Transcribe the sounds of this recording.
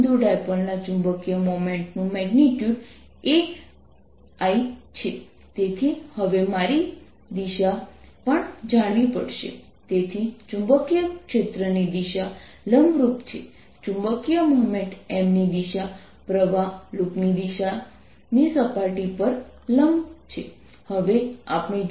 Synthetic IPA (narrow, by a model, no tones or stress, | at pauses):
d̪uɖajpəɾnat͡ʃũmbəkijəmomẽɳʈnũmɛɡniʈjuɖ | e | ajt͡ʃʰe | t̪et̪ʰihəʋemaɾi | d̪iʃapəɳd͡ʒaɽ̃ʋipə̰ɽʃḛ | t̪et̪ʰit͡ʃũmbəkjəkʃet̪ɾənid̪iʃa | ləmbɾupt͡ʃʰḛ | t͡ʃũmbəkjəməmeʈemnid̪iʃa | pɾəʋaluknid̪iʃa | nisəpaɾʈipəɾ | ləmbt͡ʃʰe | həʋea̰pɳi